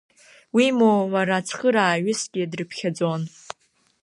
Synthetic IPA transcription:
wimowaɾat͡sʰχəɾaːɥʊsɡʲiadrɨpʰχʲad͡zon

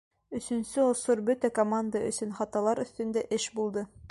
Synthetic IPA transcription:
ɵ̆sɵ̆nsɘŏsoɾbɵt̪ækomand̪əɵ̰̆sɵnχɑt̪ɑlˠɑɾɵ̆θt̪ɵ̆nd̪æʔɘʃbulˠd̪ɤ

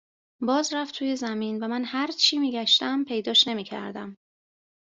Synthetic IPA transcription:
bɒːzɾæft̪ʰuːje̞zæmiːnvæmænhæɾt͡ʃʰiːmiːɟæʃt̪æmpʰe̞jd̪ɒːʃne̞miːcʰæ̰ɾd̪æm

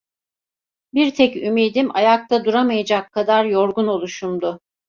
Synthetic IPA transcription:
biɾt̪ʰɛcymejd̪imajak̚t̪ʰad̪uɾamajad͡ʒakʰːad̪aɾjoɾɡuno̞lˠuʃumd̪ʊ

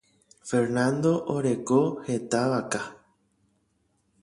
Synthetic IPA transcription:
fe̞ɾnãnd̪o̞ʔoɾeko̞he̞t̪aʋaka

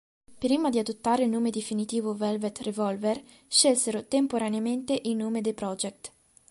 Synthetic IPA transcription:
pɾiːmad̪iad̪ot̪ːaːɾelnoːmed̪efinit̪iːvovɛlvɛt̪revɔlvɛr | ʃelseɾot̪empoɾaneament̪eʔinoːmed̪ejpɾɔd͡ʒɛk̚t̪

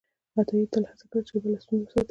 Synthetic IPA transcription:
at̪ɑwit̪əlhat͡sakəɽt͡ʃebəlast̪unzawsaat̪

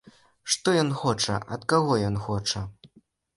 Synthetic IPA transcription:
ʂt̪ɔjɔnxɔt͡ʂɐ̰ʔɐt̪kaɣɔjɔnxɔt͡ʂɐ

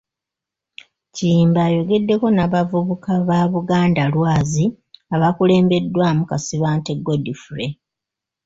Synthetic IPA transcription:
ciːmbaːjo̞ɡe̞dːe̞ko̞naβavuβukʰaβaβuɡaːndalwaːzi | aβakule̞ːmbe̞dːwaːmukasiβaːnte̞ɡodifuɾe̞

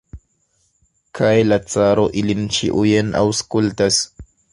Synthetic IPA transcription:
kʰajlat͡saɾo̞ʔilint͡ʃḭʔujenʔa̰wskultas

